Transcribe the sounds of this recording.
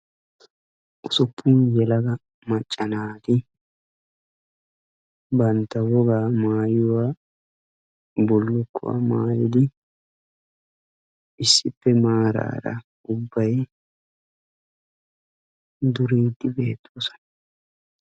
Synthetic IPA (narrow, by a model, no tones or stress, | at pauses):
ʔʊsʊpʰʼːʊːjɛlɐɡɐ | mɐt͡ʃʼːɐnaːt̪ɪ | bɐnt̪ːɐwɔɡaːmaːjʊwaː | bɔlːʊkʰːʊ̰wa̰maːjɪd̪ɪ | ʔɪsːɪpːɛmaːɾa̰ːɾɐ̰ | ʊbːɐj | d̪ʊɾiːd̪ːɪbe̞ːt̪ʰːoːsɐ̥n